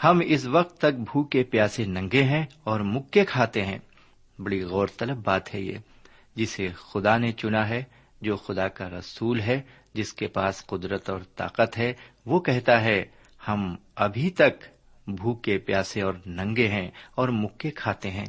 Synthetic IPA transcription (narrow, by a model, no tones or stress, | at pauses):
hɐmɪsʋɐq̚t̪ːɐk̚bʱuːkepjaːsenɐ̃ŋɡeɦɛ̃ɔːɾmʊkːekʰaːt̪eɦɛ̰̃ː | bɐɽiɣɔːɾt̪ɐləbbaːt̪ɦɛjḛː | d͡ʒɪsexʊd̪anet͡ʃʊnaɦɛ | d͡ʒoːxʊd̪akaɾɐsuːlɦɛ | d͡ʒɪskepaːsqʊd̪ɾət̪ɔːɾt̪a̰ːqət̪ɦɛʋokɛɦt̪aɦɛ | hɐmɐbʱit̪ɐk | bʱuːkepjaːsẽɔːɾnɐ̃ŋɡeɦɛ̃ɔːɾmʊkːekʰaːt̪eɦɛ̰̃ː